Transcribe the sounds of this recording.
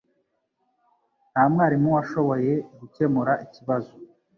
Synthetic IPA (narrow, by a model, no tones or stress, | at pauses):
n̥haːmŋaːɾimuwaʃo̞βo̞je̞ɡuce̞muɾaʔiciβazo